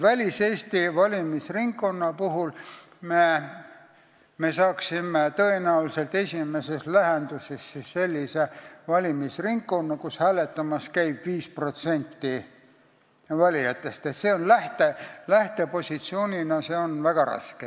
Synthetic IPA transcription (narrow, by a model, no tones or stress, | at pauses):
vælʲise̞ːst̪ivɑlʲimisriŋkkːo̞nːɑpuɦul | me | me̞sɑːksimet̪ɤ̞e̞næwlse̞lt̪e̞sʲime̞se̞slæɦend̪̥usesːisːe̞lʲːisevɑlʲimisriŋɡkːo̞nːɑkushæːle̞t̪ːˑɑmɑskæjb̥viːspro̞t̪se̞nʲt̪ːi | vɑlʲiɑt̪ːˑe̞st̪et̪se̞ːo̞nlæht̪e̞læht̪e̞po̞sʲit̪sio̞ːnʲinɑse̞onvæɡ̥ɑɾɑ̰ske